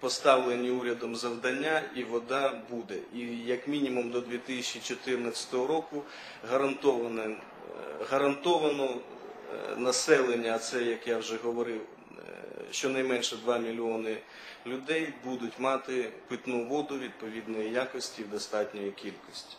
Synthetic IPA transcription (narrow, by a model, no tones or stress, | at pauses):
pɔst̪ɑwlˠenʲiuɾʲɐd̪ɔmzɐwd̪ɐnʲːaiʋɔd̪ɑbud̪ɛijɐkmʲinʲimumd̪ɔd̪ʲʋʲit̪ɪsʲɐt͡ʃːit͡ʃɔt̪ɪrnɐt͡sʲɐ̥t̪ɔɦɔɾɔkʊ | ɦɐɾɐnt̪ɔʋɐnɛ | ɦɐɾɐnt̪ɔʋɐnɔ | nɐsɛlˠenʲːɐːt̪sɛjɐkjawʒɛɦɔʋɔɾɪw | ʃt͡ʃɔnɐjmɛnʃɛd̪ʋɑmʲilʲiɔnɪ | lʲʊd̪ɛjbud̪ʊtʲmɑt̪ɪpɪt̪nuʋɔd̪ʊʋʲid̪̚pɔʋʲid̪nɔjijakɔsʲtʲiwd̪ɔst̪ɑtʲnʲɔjikʲilʲkɔsʲtʲi̥